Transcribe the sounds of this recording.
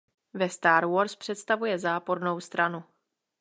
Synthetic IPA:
vɛst̪aːɾwoɾspr̝̥ɛt̪st̪avujɛzaːpo̞ɾno̞wst̪ɾanu

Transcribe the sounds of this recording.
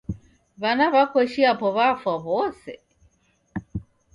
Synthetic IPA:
βanaβakwɛʃiapɔβafwaβɔsɛ̰

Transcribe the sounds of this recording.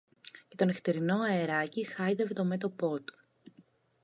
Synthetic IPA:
cet̪o̞neft̪eɾino̞ɐe̞ɾɐcixɐjðeve̞t̪o̞me̞t̪o̞po̞t̪u̥

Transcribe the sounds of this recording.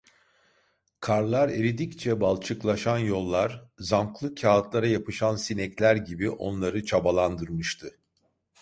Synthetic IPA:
kʰaɾlˠaɾeɾid̪ict͡ʃʰɛbalˠt͡ʃʰɯklˠaʃanjo̞lˠːaɾzamklˠɯcʰaːt̪lˠaɾajapɯʃansinɛclʲæɾɟibiʔo̞̰nlˠaɾɯt͡ʃʰabalˠand̪ɯɾmɯʃt̪ʰɯ

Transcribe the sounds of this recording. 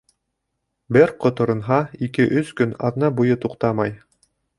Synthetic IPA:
bɘɾqŏt̪ŏɾɤ̆nɦɑikɘʔɵskɵnɑ̰ðnɑbujɤt̪uqt̪ɑmɑj

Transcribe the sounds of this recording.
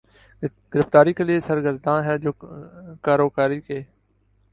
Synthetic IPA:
ɡɪɾəft̪aːɾiːkəlieːsəɾɡəɾd̪ʱãːɦɛːd͡ʒoːkaːɾoːkaːɾiːkeː

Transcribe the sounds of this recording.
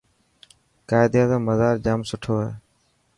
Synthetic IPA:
kaːɪd̪jaːzõːməzaːɾd͡ʒaːmsʊʈʰoːɦḛː

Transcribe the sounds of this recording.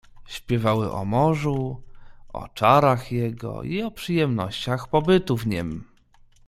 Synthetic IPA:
ɕpʲjɛvawɘʔɔ̰mɔʐu | ʔɔ̰t͡ʂaɾaxjɛɡɔ̰ʔiɔpʂɘjɛmnɔɕt͡ɕaxpɔbɘt̪uvɲɛm

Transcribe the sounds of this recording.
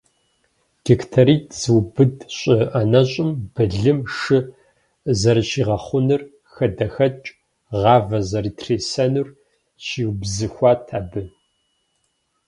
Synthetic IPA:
ɡ̥ektʰaɾiːtʰʼz̥ɨwbɨdɕʷʼɪʔɐnɐɕʼɪmb̥ɨɮɨmʂɨ | zɐrʃiːʁɐχʷʊnɨr | xɐdɐxɐt͡ʃʼ | ʁɑːvɐzɐritʰreːsɐnur | ɕiːwbzɨxʷɑːtʰaːbɨ

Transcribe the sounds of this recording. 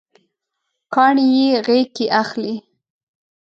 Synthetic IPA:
kɑɳijeɣekeʔaxli

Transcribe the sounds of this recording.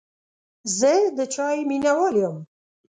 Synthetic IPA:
zed̪ɨt͡ʃʰɑːimiːnawɑːliom

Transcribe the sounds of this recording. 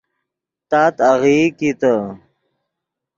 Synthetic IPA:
t̪aːt̪aɣikit̪ə

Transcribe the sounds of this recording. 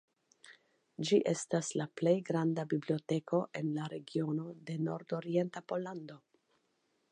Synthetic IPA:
d͡ʒiʔe̞staslaple̞jɡɾandabiblio̞te̞kʰo̞ʔe̞nlaɾe̞ɡio̞no̞de̞no̞ɾdo̞ɾie̞ntapo̞lando̞

